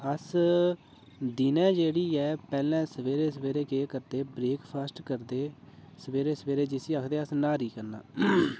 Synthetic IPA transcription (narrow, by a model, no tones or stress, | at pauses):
əs | d̪ɪnɛ̃ːd͡ʒeːɽiːɛːpɛːlɛ̃ːsəʋeːɾeːs̬əʋeːɾeːkeːkəɾd̪eːbɾeːkpʰaːsʈkəɾd̪eːsəʋeːɾeːsəʋeːɾeːd͡ʒɪsiːəkʰd̪eːəsnaːɾiːkəɾna̰ː